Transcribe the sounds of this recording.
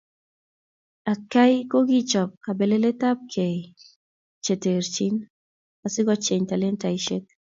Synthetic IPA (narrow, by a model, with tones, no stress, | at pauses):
a˨ka˦jko˦ɡi˦t͡ʃɔ˨p̚ka˨be˨le˦le˦ta˦p̚kʰɛ˨ | t͡ʃe˨te˨ɾt͡ʃi˦n | a˨sɪ˦ɡɔ˦t͡ʃe˨ɲta˨le˦nta˨iʃe˦t̚